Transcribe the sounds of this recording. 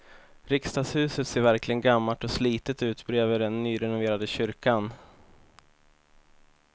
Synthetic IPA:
ɾɪkst̪ɑːɡshʉ̟ːsət̪seːɾvæɾklɪɡənɡamːaʈɔsliːt̪ət̪ʉ̟ːt̪bɾeːvəɖɛnːyːɾɛnʊveːɾad̪əɕʏɾkan

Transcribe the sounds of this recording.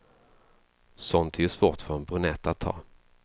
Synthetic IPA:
sɔnt̪ʰɛjɵʂvoːʈfœɾɛnbɾɵnɛt̪ːat̪ʰːɑ̰ː

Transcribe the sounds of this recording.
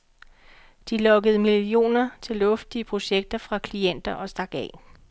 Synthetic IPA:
d̥ilɒ̽ɡ̥əð̞̩ˠmilio̝̰ːnɐt͡sʰe̝lɔ̽fd̥iəpʰʁo̝ɕeɡ̥̚d̥ɐfʁɑ̈kʰlien̰d̥ɐʔɒ̽sd̥ɑ̈ɡ̥ɛ̰ː

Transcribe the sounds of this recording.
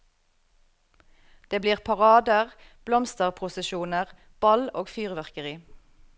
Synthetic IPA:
d̪̥eːbliːʁpʰɑʁɑːd̪əʁb̥lɔmst̪əʁpʰʊsəʃuːnəʁ | b̥ɑloːɡfyːʁʋæʁkəʁiː

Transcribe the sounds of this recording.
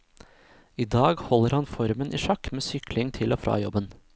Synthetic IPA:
iːd̪ɑːɡhɔlːəɾhɑnfɔɾmənʔḭːʃɑkːmeːsʏkʰlɪŋt̪ʰɪlʔoːfɾɑ̰ːjɔ̰bən

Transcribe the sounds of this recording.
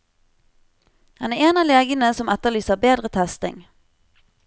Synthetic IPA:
hɑnæːeːnɑːleːɡənəsɔmɛt̪əʁlyːsəʁbeːd̪ʁət̪ʰɛst̪ɪ̰ŋ

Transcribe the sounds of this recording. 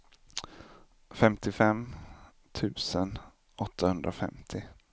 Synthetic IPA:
fɛmt̪ɪfɛm | t̪ʰʉ̟ːsən | ɔt̪ʰːahɵnd̪ɾʔafɛ̰mt̪ʰɪ

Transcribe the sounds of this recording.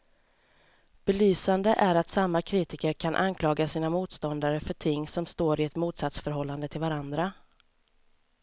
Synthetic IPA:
b̥ɛlyːsand̪əʔæɾat̪samːakʰɾiːt̪ɪkəɾkʰanʔa̰nkʰlɑːɡasiːnamuːt̪st̪ɔnd̪aɾəfœʈʰɪŋːsɔmst̪oːɾɪɛt̪muːt̪sat̪sfœɾɦɔlːand̪ət̪ʰɪlvaɾand̪ɾa

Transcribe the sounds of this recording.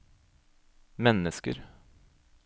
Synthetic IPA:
mɛnəskə̰ɾ

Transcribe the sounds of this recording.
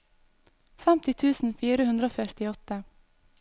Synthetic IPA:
fæmt̪ɪt̪ʰʉːsn̩fiːɾəhʉnd̪ɾəoːfœɾt̪ɪɔt̪ə

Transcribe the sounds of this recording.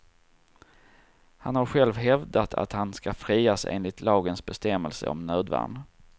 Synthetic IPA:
hanhaɾɧɛlvɦɛvd̪at̪ʰa̰t̪hanskafɾiːasḛːnlɪt̪ʰlɑːɡənsbɛst̪ɛmːəlsə̰ɔ̰mnøːd̪va̰ːɳ

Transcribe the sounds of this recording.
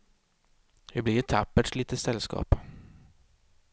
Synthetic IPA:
hɪblɪʈ̪ʰapːəʈʂliːt̪əsɛlːskɑ̰ːp

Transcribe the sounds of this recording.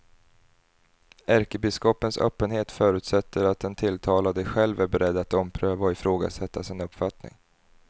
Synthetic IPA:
æɾkəbɪskɔpːənsœ̰ːpːənheːt̪fœːɾʉ̟ːt̪sɛt̪ʰːəɾat̪̚d̪ɛnt̪ʰɪlt̪ʰɑːlad̪əɧɛlvæɾbɛɾɛd̪ːat̪ɔmpʰɾøːvaɔɪfɾoːɡa̰sɛt̪ʰːasɪnɵpːfat̪nɪ̰ŋ

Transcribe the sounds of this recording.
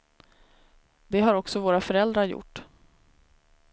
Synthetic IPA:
d̪ɛɦaɾɔksɔvoːɾafœɾɛld̪ɾaɾjʊ̰ʈː

